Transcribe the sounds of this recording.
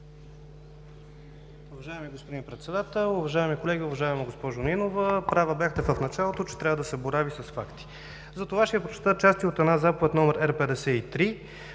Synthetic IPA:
ʊvɐʒaɛmiɡospod̪inpɾɛt̪sɛd̪at̪ɛlˠʊvɐʒaɛmikolɛɡʲiʊvɐʒaɛmɐɡospɔʒoninovəpɾavəbʲjaxt̪ɛvəfnɐt͡ʃalˠot̪ot͡ʃɛ̥t̪ɾʲavəd̪ɐsɛboɾavisɐsfakt̪i̥ | zɐt̪ovaʃt̪ɛpɾot͡ʃɛ̥t̪ət̪̚t͡ʃast̪iot̪ɛd̪nazapovɛt̪nɔmɛɾɛɾpɛd̪ɛsɛit̪ɾi

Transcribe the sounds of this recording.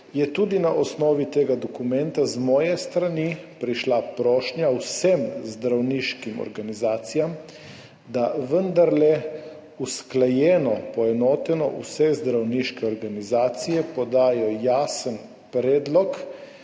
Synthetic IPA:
jɛt̪ud̪inaʔɔsnɔːʋit̪eːɡad̪ɔkumɛnt̪azmɔːjɛst̪ɾanipɾiʃlapɾɔːʃnjawsɛmzd̪ɾawniʃkimɔ̰ɾɡanizaːt̪sijam | d̪aʋənd̪aɾlɛ | usklajɛːnɔpɔɛnɔːt̪ɛnɔ̰ʔṵsɛzd̪ɾawniʃkɛɔɾɡanizaːt̪sijɛpɔd̪aːjɔjaːsən | pɾɛːd̪lɔk

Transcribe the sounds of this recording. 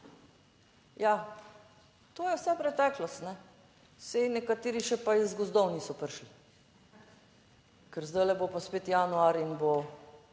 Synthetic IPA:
ja | t̪oːjɛwsɛpɾɛt̪ɛːklɔst̪nɛ | sɛjnɛkat̪eːɾiʃɛpaizɡɔzd̪ɔwnisɔpəɾʃli | kɛɾzd̪əjlɛbopaspeːt̪januaɾinbo

